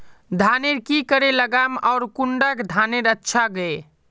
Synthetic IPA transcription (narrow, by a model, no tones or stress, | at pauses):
d̪ʱaneɾkikəɾeləɡamaʊɾkuɳɖəkd̪ʱaneɾətːʃʰaɡəe